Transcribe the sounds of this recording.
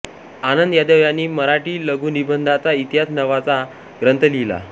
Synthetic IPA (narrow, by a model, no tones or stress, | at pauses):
anənd̪jad̪əʋjanːiːməɾaʈiːləɡʱuːnibənd̪ʱat͡sait̪ɦat͡snəʋat͡sa | ɡɾənt̪əlila̰